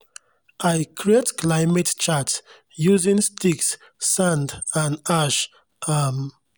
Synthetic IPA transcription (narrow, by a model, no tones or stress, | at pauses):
ajkʰɹietklaɪmett͡ʃats | juzĩŋstʰiksː | ãndãnaʃ | am